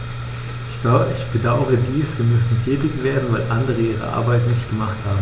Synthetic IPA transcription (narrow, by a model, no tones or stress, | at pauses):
ɪ̥ɪçb̥ədaʊəʁədiːsv̥iːɐmʏsn̩tʰɛːtɪçv̥eːɐdn̩vaɪlʔandəʁ̞əʔiːʁ̞ə̰ʔa̰ɐbaɪtnɪçt̚ɡ̥əmaχthaːbm̩